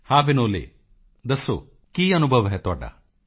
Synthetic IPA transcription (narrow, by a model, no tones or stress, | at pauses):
haːʋinoːlḛ | d̪ɐso̰ | kiːɐnubʱɐʋɐɦet̪ɔːɖɐ̰